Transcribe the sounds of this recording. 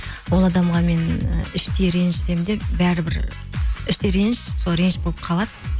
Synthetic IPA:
wo̞lˠɑd̪ɑmʁɑme̞nɪʃt̪eɾe̞nɪʃse̞md̪e̞bæɾɪbɪɾ | ɪʃt̪eɾenɪʃsoɾe̞nɪʃbo̞lˠəp̚qʰɑlˠɑd̪ə

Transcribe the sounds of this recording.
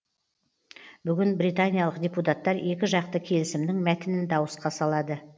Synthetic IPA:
bʏɡʲɪnbɾijt̪anʲijalˠəqdʲeput̪at̪ːɑɾe̞kʲɪʒɑqt̪əkʲʰe̞lɪsɪmd̪ɪŋmæt̪ɪnɪnd̪ɑwəsqɑsɑlˠɑd̪ə

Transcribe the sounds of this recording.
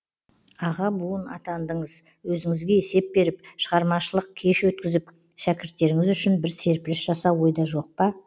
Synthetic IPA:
ɑʁɑbuənɑ̰t̪ɑnd̪əɴəz | wɵzɪŋɪzɡʲe̞ese̞p̚be̞ɾɪp̚ʃəʁɑɾmɑʃəlˠəq̚kʲʰe̞ʃwɵt̪̚kʲɪzɪp | ʃækʲɪɾt̪ːe̞ɾɪŋɪzʏʃɪnbɪɾse̞ɾpɪlɪsʒɑsɑwo̞jd̪ɑʒo̞q̚pɑ

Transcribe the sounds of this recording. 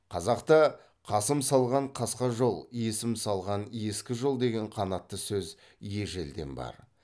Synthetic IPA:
qʰɑzɑqt̪ɑ | qʰɑsəmsɑlˠʁɑɴqʰɑsqɑʒo̞lˠje̞sɪmsɑlˠʁɑnje̞skʲɪʒo̞lˠd̪e̞ɡʲe̞ɴqʰɑnɑt̪ːəsɵz | je̞ʒe̞ld̪e̞̰nbɑ̰ɾ

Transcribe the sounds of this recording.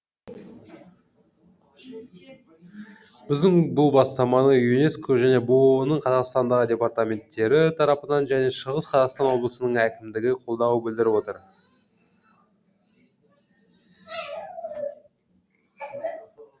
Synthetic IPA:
b̥ɪzd̪ɪŋbʊlˠbɑst̪ɑmɑnəjunʲe̞skoʒæne̞bonəɴqʰɑzɑqst̪ɑnd̪ɑʁədʲe̞part̪amʲe̞nt̪ːe̞ɾɪt̪ʰɑɾɑpənɑnʒæne̞ʃəʁəsqʰɑzɑqst̪ɑnwo̞blˠəsənəɴækʲɪmd̪ɪɡʲɪqʰo̞lˠd̪ɑwəbɪld̪ɪɾɪpwo̞t̪əɾ

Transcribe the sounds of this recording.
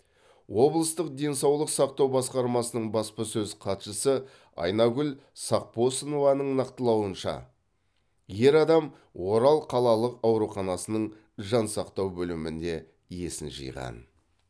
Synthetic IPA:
wo̞blˠəst̪əq̚d̪e̞nsɑwlˠəqsɑqt̪ɑwbɑsqɑɾmɑsənəɴbɑspəsɵzqʰɑt̪ʃəsə | ɑ̰jnɑɡʲʏlsɑq̚po̞sənovɑnəɴnɑqt̪əlˠɑwənʃɑ̰ | je̞ɾɑd̪ɑm | wo̞ɾɑlˠqʰɑlˠɑlˠəqɑwɾuχɑnɑsənəɴ | ʒɑnsɑqt̪ɑwbɵlɪmɪnd̪e̞ | je̞sɪnʒɨ̰jʁɑ̰n

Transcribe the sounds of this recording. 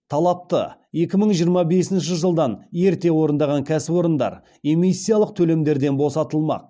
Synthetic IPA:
t̪ʰɑlˠɑp̚t̪ə̰je̞kʲɪməɴʒijəɾmɑbe̞sɪnʃɪʒəlˠd̪ɑne̞ɾt̪e̞wo̞ɾənd̪ɑʁɑŋkʲʰæsɪbo̞ɾənd̪ɑ̰ɾ | e̞mijsːijalˠəq̚t̪ʰɵle̞md̪e̞ɾd̪e̞nbo̞sɑt̪əlˠmɑ̰q̚

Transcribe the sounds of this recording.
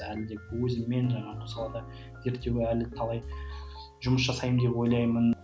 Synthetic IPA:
ælɪd̪e̞pwɵzɪmːe̞nʒɑɴɑmʊsɑlˠɑd̪ɑ | ze̞ɾt̪ːe̞wɪælt̪ʰɑlˠɑj | ʒʊməsʒɑsɑjəmd̪e̞pwo̞jlˠɑjmən

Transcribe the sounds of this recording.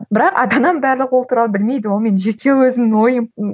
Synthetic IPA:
bɪɾɑqɑ̰d̪ɑnɑmbæɾlˠəqwot̪ʰuɾɑlˠəbɪlme̞jd̪ɪwo̞lˠme̞nʒe̞kʲʰe̞wɵzɪmɪnwo̞jəm

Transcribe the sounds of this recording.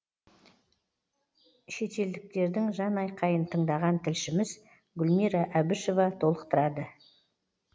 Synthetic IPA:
ʃe̞t̪e̞ld̪ɪk̚t̪e̞ɾd̪ɪŋʒɑnɑjqʰɑjənt̪ʰəɴd̪ɑʁɑnt̪ʰɪlʃɪmɪz | ɡʲʊlmiɾɑʔæbɪʃo̞vɑt̪ʰo̞lˠəqt̪əɾɑd̪ə

